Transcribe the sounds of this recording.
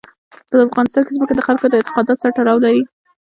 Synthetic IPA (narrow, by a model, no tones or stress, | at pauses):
kəd̪əafɣɑnɪst̪ɑnkezməked̪əxalkod̪əɪnt̪ɪ̥qɑd̪ɑt̪saʈaɾɑwlaɾi